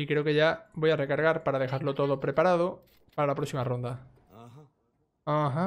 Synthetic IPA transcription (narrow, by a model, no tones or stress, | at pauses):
ikɾe̞okeʎabo̞jare̞kaɾɣ̞aɾpaɾaðe̞xaɾlot̪o̞ðopɾe̞paɾað̞o | paɾalapɾo̞ksimarõ̞nd̪a | aɦa